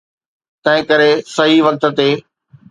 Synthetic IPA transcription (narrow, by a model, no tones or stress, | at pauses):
t̪ɐ̃ɦɪ̃kɐɾesɐɦiʋɐk̚t̪̆t̪eː